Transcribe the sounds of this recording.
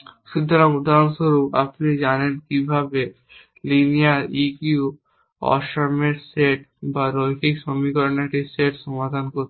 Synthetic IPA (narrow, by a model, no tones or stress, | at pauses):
ʃud̪ʱːaɾamud̪ʱaɾonʃoɾua̰pnid͡ʑanenkibʱabe | linijaɾiku | ɔ̰ʃaɾmeɾseʈbaɾojkʰikʃomikɔɾneʈiseʈʃɔmad̪ʱankoɾt̪